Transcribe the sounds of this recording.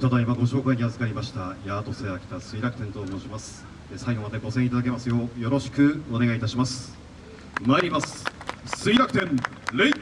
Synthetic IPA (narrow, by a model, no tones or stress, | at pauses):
t̪ad̪aimaɡo̞ɕo̞ːkaiɲ̟iazɨkaɾʲimaɕi̥t̪ajaːt̪o̞seakʲi̥t̪asɨiɾakɯ̟t̪ẽ̞nt̪o̞mo̞ːɕimasɨ̥ | d̪esaiɡo̞mad̪eɡo̞sẽ̞it̪ad̪ake̞masɨjo̞jo̞ɾo̞ɕi̥kɯ̟o̞ne̞ɡait̪aɕimasɨ̥ | maiɾʲimasɨ̥sɨiɾakɯ̟̥t̪ẽ̞n | ɾei